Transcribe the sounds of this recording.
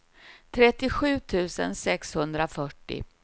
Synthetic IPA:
t̪ʰɾɛt̪ːɪɧʉ̟ːt̪ʰʉ̟ːsə̰nsɛkshɵnd̪ɾafœʈːɪ̰

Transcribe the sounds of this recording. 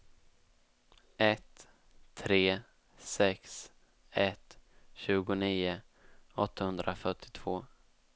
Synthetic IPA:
ʔɛt̪ʰː | ɾeː | sɛks | ɛt̪ɕʉ̟ːɡʊniːʊ | ɔt̪ʰːahɵnd̪ɾʔafœʈʰːɪ̥t̪ʰv̥oː

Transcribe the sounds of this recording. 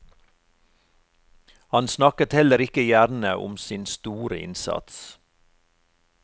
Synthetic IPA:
hɑnsnɑkət̪hɛləɾɪkəjæɾnəʔʊ̰msɪnst̪uːɾəʔɪ̰nsɑ̰t̪s

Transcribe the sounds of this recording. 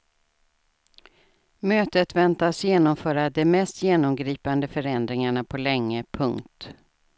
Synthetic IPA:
møːt̪ət̪vɛnt̪asjeːnɔmfœːɾad̪ɛmɛst̪jeːnɔmɡɾiːpand̪əfœɾɛnd̪ɾɪŋaɳapʰɔlɛŋːəpʰɵŋkt̪

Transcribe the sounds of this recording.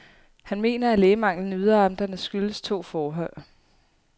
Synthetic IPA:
hænme̝̰ːnɐæleːɪmɑ̈ŋ̰lən̩yð̞ˠɐɑ̈md̥ɐnəsɡ̥yləst͡sʰo̝̰ːfɒːɦɒɪ̰

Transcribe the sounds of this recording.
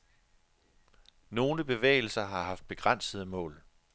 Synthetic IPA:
no̝ːnəb̥e̝ʋḛːɪl̩sɐɦɑ̈hɑ̈fd̥̚b̥e̝ɡ̥ʁan̰səð̞ˠəmɔ̰̽ːl

